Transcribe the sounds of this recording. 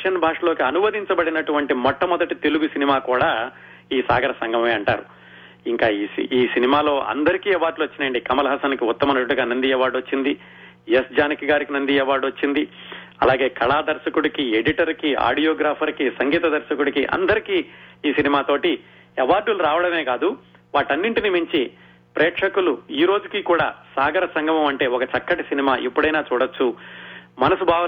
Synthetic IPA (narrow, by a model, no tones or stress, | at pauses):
ʃɐnbʱaːʂɐlo̞ːkiɐnuʋɐd̪iɲt͡ʃɐbɐɽinɐʈuʋɐɳʈimɔʈːɐmɔd̪ɐʈit̪e̞luɡusinimaːkuːɽaː | iːsa̰ːɡɐɾɐsɐŋɡʱɐmɐeːɐɳʈaːɾu | iŋkaːiiːsinimaːlo̞ːʔɐ̰nd̪ɐɾikiːɛʋaːɾɖluʋɐt͡ʃːinɐɳɖikɐmɐlɐɦɐsɐnkiut̪ːɐmɐnɐɽɐɡaːnɐnd̪iɛʋaːɾɖɐt͡ʃːind̪i | jesd͡ʒaːnikɐɡaːɾikinɐnd̪iɛʋaːɾɖuʋɐt͡ʃːind̪i | ɐ̰laːɡe̞ːkʰɐɭaːd̪ɐɾʃɐkuɽikieɽiʈɐɾkia̰ːɖijoːɡɾaːpʰɐɾkisɐŋɡiːt̪ɐd̪ɐɾʃɐkuɽikiʔɐ̰nd̪ɐɾikiːiːsinimaːt̪o̞ːʈi | ɛʋaːɾɖuluɾaːʋɐɽɐme̞ːkaːd̪u | ʋaːʈɐnːiɳʈinimiɲt͡ʃi | pɾʔɛːʈʂɐkuluiːɾo̞ːd͡ʒukiːkuːɽa̰ːsaːɡɐɾɐsɐŋɡʱɐmɐmɐɳʈe̞ːɔkɐt͡ʃɐkːɐʈisinimaːʔipːuɽɐjnaːt͡ʃuːɽɐt͡ʃːu | mɐnɐsubʱaːʋɐ